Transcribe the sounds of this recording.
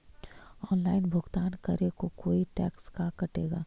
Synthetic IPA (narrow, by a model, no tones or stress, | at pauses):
ɔːnlaːɪnbʱʊɡt̪aːnkɐɾekokoːiʈɛːkskakɐʈeːɡaː